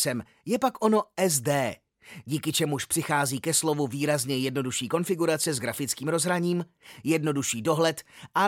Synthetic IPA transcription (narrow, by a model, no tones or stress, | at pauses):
sɛm | jɛpakʔono̞ɛzdɛː | ɟiːkɪt͡ʃɛmuʃpr̥ɪxaːziːkɛslo̞vuviːɾazɲɛjɛdno̞duʃiːko̞nfɪɡuɾat͡sɛzɡɾafɪt͡skiːmɾo̞zɦɾaɲiːm | jɛdno̞duʃiːdo̞ɦlɛt̪ʔa